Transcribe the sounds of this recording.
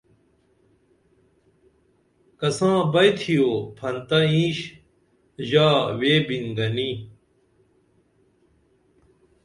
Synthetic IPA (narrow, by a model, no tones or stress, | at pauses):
kɐsãːbɐjt̪ʰijoːpʰɐnt̪ɐĩːɕ | ʑaːweːbiŋɡɐni